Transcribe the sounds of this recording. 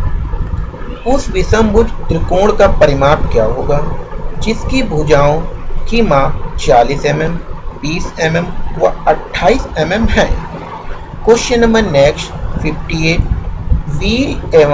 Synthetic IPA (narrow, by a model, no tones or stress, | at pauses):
ʊsʋɪsə̃mbʊd͡ʒt̪ɾɪkõːɽkapɐɾɪmaːɾkjaɦoːɡaːd͡ʒɪskibʱuːd͡ʒaːõkimãːt͡ʃaːliːsɛmɛmbiːsɛmɛmʋa̰ɐʈʰːaːiːsɛmɛmɦɛ̃ː | kʊʃjənmə̃nɛːkʃpʰɪpʰʈieːʈ̚ʋiːɾeːʋ